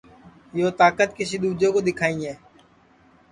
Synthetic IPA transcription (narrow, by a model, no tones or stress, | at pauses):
joːt̪aːkət̪kɪsiːd̪uːd͡ʒõːkoːd̪ɪkʰaːĩːɦɛː